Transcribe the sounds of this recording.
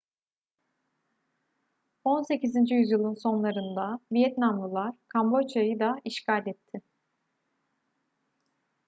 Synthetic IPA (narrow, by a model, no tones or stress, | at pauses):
o̞nse̞cizind͡ʒijyzjɯlˠɯnso̞nlˠaɾɯnd̪avijɛt̪namlˠɯlˠaɾ̥kʰambo̞t͡ʃajɯd̪aiʃcalʲɛt̪ʰːɪ